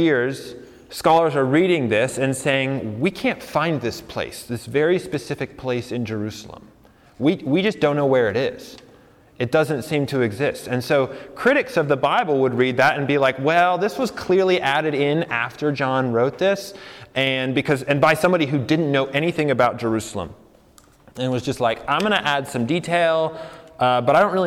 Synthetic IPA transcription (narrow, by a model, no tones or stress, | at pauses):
ɪɹz̥ | skɑlˠə˞zə˞ɹiɾɪ̃ŋðɪsɨ̃nseɪɪ̃ŋwikʰæ̃ntfãɪ̃nðɪspʰl̥ḛɪsðɪsvɛɹispɨsɪfɨk̚pʰl̥eɪsɨ̃nd͡ʒə˞ʉsl̩ˠə̰̃m | wiwid͡ʒʌsd̥õʊ̃nːoʊwə˞ɨɾɪz̥ | ɨt̚d̥ʌzɨ̃ntsĩmtʰɨɨɡzɪstɨ̃nsoʊkʰɹ̥ɪɾɨksʌvðəbaɪbl̩ˠwəd̚ɹid̪̚ðɨɾɨ̃nbilaɪkwɛlˠðɪswʌz̥kʰl̥ɪɹliʔæɾɨɾɪ̃næ̰ftə˞d͡ʒɑ̃nɹoʊt̪̚ðɪsʔɨ̃nbɨkʰʌzɨ̃nbaɪsʌ̃mbɑɾiɦʉdɪdⁿn̩nːoʊʔɛñiθɪ̃ŋɨbaʊt̚d̥ʒ̥ə˞ʉsl̩ˠə̰̃m | ɨ̃nt̚wʌzd͡ʒʌstˡlaɪkãɪ̃mɡʌñɨʔæd̥sʌ̃mditʰeɪlˠʔʌbʌɾaɪɾõʊ̃n̚ʔɹɪl